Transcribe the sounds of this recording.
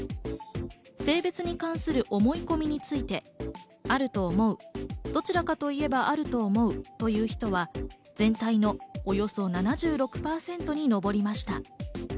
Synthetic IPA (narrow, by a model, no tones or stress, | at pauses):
se̞ːbe̞t͡sɨɲ̟ikãɰ̃sɨɾɯ̟ʔo̞mo̞iko̞mʲiɲ̟it͡sɨit̪e̞ | aɾɯ̟t̪o̞ːmo̞ɯ̟d̪̥o̞t͡ɕiɾakat̪o̞ie̞baʔaɾɯ̟t̪o̞ːmo̞ɯ̟t̪o̞jɯ̟ːçi̥t̪o̞βa | z̥ẽ̞nt̪aino̞ːjo̞so̞nanaʑɨːɾo̞kɯ̟̥paːsẽ̞nt̪o̞ɲ̟ino̞bo̞ɾʲimaɕi̥t̪a